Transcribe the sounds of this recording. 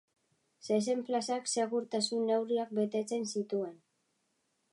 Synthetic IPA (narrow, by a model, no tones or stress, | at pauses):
ses̬e̞mplasakse̞ɣ̞uɾt̪asunːe̞wriak̚be̞t̪e̞t͡se̞nsit̪ue̞n